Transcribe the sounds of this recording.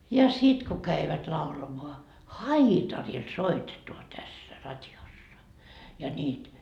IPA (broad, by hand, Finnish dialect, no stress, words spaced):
jɑ sit ku kæiʋæt lɑulɑmoɑ hɑitɑril soitetuɑ tæsːæ rɑtʲjosːɑ jɑ nʲiːt